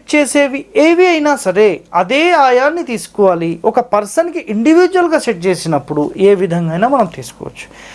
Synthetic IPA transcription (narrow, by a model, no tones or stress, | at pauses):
ʈ̚t͡ʃeːseːʋieːʋiɐjinaːsɐɾeːɐd̪eːaːjaːnːit̪iːsu̥kɔʋaːliɔkɐpɐɾsɐnkiʔiɳɖiʋiːd͡ʒʋɐlɡaːseʈ̚t͡ʃe̞ːsinɐpːuɽuʔeːʋid̪ʱɐŋɡɐjnaːmɐnɐmt̪iːsu̥kɔ̰ːʋɐ̰t͡ʃːu̥